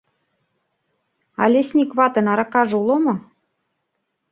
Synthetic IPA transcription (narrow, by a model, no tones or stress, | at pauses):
ɑ̰lʲesʲnʲikvɑt̪ɤ̆nɑɾɑkɑʒulɤ̆mɤ̆